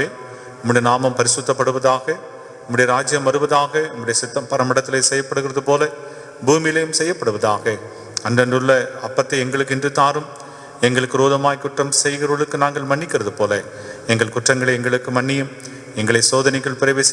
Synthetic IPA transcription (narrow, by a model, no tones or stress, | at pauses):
eː | ɐmːɐɽɐjɐnaːmɐmpɐɾɪsʊt̪ːɐpːɐɽɯʋɐðaːɣɐ | ɐmːɐɽɪjɐɾaːd͡ʒɪjɐmʋɐɾɯʋɐðaːɣɐɐmːɐɽɐjɐsɪt̪ːɐmpɐɾɐmɐɽɐt̪ːɪlesɛjːɐpːɐɽɯɣɪrɐðɯpoːlɐ | buːmɪjɪlɐjɯmsɛjːɐpːɐɽɯʋɐðaːɣɐ | ɐndɐndɯɭːɐɐpːɐt̪ːɐɪɛŋɡɐɭɯkːɪndrɯt̪ːaːɾɯm | ɛŋɡɐɭɯkːɯɾoːðɐmaːjkʊʈrɐmsɛjɣɪɾɐɭɯkːɯnaːŋɡɐɭmɐɳːɪkːɪrɐðɯpoːlɐ | ɛŋɡɐɭkʊʈrɐŋɡɐɭɐɪɛŋɡɐɭɯkːɯmɐɳːɪjɯm | ɛŋɡɐɭɐɪsoːðɐnɪɣɐɭpɪɾɐʋeːs